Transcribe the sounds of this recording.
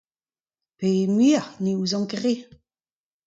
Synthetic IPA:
pemiʁniuzɑ̃ɡʁe

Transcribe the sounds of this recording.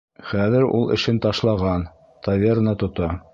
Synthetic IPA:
χæðɘɾṵlˠɘ̰̆ʃɘnt̪ɑʃlˠɑʁɑn | t̪ɐvʲernɑt̪ŏt̪ɑ

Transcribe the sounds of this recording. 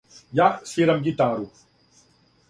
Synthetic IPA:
jaʔsiɾɐmɡit̪aːɾu

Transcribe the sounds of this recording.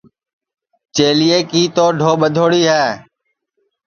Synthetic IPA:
t͡ʃeːlijeːkiːt̪oːɖʱoːɓəd̪ʱoːɽiːɦɛː

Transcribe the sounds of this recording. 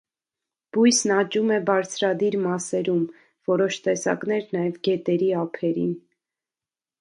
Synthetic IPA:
b̥ujsnɑt͡ʃumɛbɑɾt͡sʰɾɑd̪iɾmɑsɛɾum | vɔɾɔʃt̪ɛsɑ̰kn̪ɛɾnɑjɛvɡɛt̪ɛɾiɑpʰɛɾḭn

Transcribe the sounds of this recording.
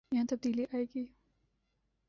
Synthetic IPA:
jɐɦãt̪ɐb̚d̪iːliʔaːeːɡiː

